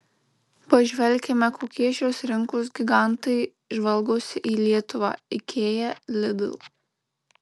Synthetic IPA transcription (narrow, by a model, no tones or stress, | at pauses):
pɐʒʲʋʲɛlʲˑkʲɛmʲɛkʰoːkʲiɛʃʲoːsɾʲɪŋkoːsɡʲiɡɑˑnt̪ɐɪ | ʒʋɐlˠˑɡoːsʲɪʔiːlʲiɛt̪ʊʋɑ̰ːɪkʲʰeːjɛlʲɪd̪ʊ̰lˠ